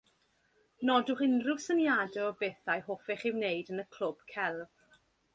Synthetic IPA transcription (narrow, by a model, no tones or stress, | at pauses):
nɔdʊχɪnrʊv̥sənjadɛɔbeθajhoːfɛχɪwneɨdənəkʰl̥ʊb̥kʰɛlˠv̥